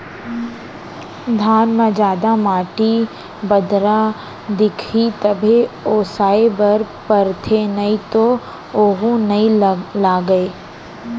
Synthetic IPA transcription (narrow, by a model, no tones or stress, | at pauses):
d̪ʱaːnmẽd͡ʒaːd̪amaːʈi | bɐd̪ɾa | d̪ɪkʰit̪ɐbʱeoːsaːebɐɾ | pəɾt̪ʰenɐĩt̪o | oːɦũnɐĩlaːɡəeː